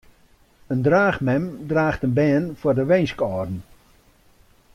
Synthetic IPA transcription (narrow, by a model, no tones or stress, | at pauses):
əndraːχmɛmdraːχtənbɛːnfʊːrdəʋejnskɔːrn̩